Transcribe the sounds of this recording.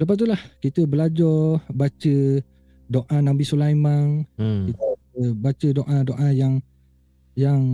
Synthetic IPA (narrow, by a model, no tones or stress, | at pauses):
ləp̬ast̪ulahkit̪əbəlad͡ʒɔbat͡ʃə | doʔãnãbisulajmãŋkit̪ə | əbat͡ʃədoʔãdoʔãjaŋ | jaŋ